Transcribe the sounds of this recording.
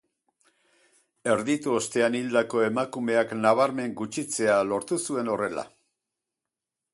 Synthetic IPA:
e̞ɾðit̪uost̪e̞anild̪ako̞e̞makume̞aknaβ̞aɾme̞ŋɡut͡ʃit͡se̞alo̞ɾt̪usue̞no̞re̞la̰

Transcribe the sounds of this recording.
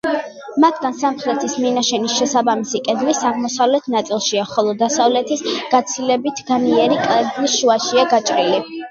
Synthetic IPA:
mat̪ʰɡansamχɾɛt̪ʰisminaʃɛnisʃɛsabamisikʼɛd̪lisaʁmɔsavlɛt̪ʰnat̪sʼilˠʃiaχɔlˠɔd̪asavlɛt̪ʰisɡ̥at̪sʰilɛbit̪ʰɡaniɛɾikʼlɛɡlisʃuaʃiaɡat͡ʃʼɾili

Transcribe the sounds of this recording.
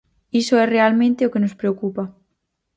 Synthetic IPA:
isoɛrealmẽnt̪eokenospɾeokupa

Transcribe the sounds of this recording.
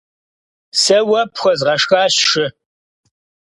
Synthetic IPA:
sɐwɐpxʷɔzʁɐʂxaːɕʂɪ

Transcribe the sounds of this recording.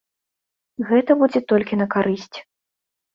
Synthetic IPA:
ɣɛt̪ɐbud͡zʲɛt̪ɔlʲkʲinɐkaɾɨsʲt͡sʲ

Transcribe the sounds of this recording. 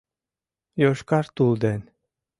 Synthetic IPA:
joʃkɑɾt̪uld̪en

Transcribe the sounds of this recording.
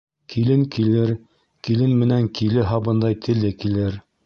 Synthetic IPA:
kʰilɘŋkilɘɾ | kilɘnmɘ̆næŋkilɘɦɑbɤnd̪ɑjt̪ʰɘ̆lːɘkilɘɾ

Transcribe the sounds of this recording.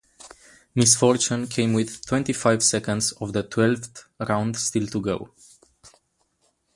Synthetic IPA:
mɪsfɔɹt͡ʃũnkʰẽɪ̃mwɪðtʰw̥ɛ̃ntifaɪv̥sɛkə̃ndzɔvðətʰwɛlfθɹãʊ̃ndstiltuɡoʊ

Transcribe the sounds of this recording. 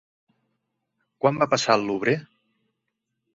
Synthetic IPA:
kwambapasalˠːuβɾe

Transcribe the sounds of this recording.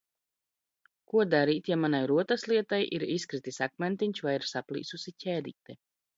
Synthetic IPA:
kuɔd̪aɾiːt̪jamanajɾuɔt̪aslˠiɛt̪ajʔḭɾiskɾit̪isakmɛnt̪iɲʲt͡ʃvajiɾsaplˠḭːsusicʲɛːd̪ḭːt̪ɛ

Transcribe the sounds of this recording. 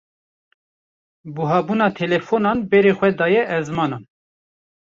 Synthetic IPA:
buɦɑːbunɑːt̪ʰɛlɛfonɑːnbɛɾeːxʷɛd̪ɑːjɛʔɛzmɑːnɑːn

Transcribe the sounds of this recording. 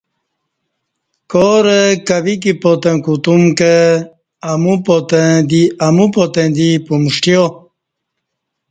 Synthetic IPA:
koɾəkaʋik̬ipot̪ə̃kut̪umkəː | mupot̪ə̃d̪iamupot̪ẽd̪ipumuʂʈjo

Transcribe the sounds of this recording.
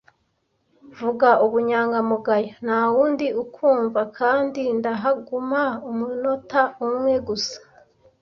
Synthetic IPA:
vuɡauβuɲaːŋɡamuɡajanawuːndiukʰuːɱvakʰaːndindaɦaɡumaumuno̞taumŋe̞ɡusḁ

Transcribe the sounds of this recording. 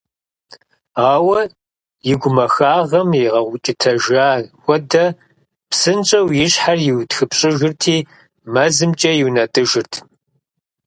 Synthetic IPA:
aːwɐ | jɪɡʷʊmɐxaːʁɐmjɪʁɐʁʷʊt͡ʃʼɪtʰɐʒaːxʷɔdɐ | psɨnt͡ʃʼɐwjɪɕħarjɪwtxɨpɕʼɪʒɪrtʰiː | mɐzɨmt͡ʃʼɐjɪwnɐtʼɨʒɪrtʰ

